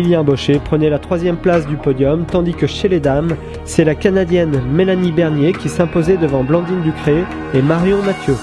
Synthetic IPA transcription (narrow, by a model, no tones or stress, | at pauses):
iljɛ̃bɔʃepχənɛlat̪χwazjɛmplasd̪ypɔd̪jɔmt̪ɑ̃d̪ikəʃeled̪am | sɛlakanad̪jɛnmelanibɛʁnjekʲisɛ̃pozɛd̪əvɑ̃blɑ̃d̪ind̪ykχeː | maʁjɔ̃mat̪jø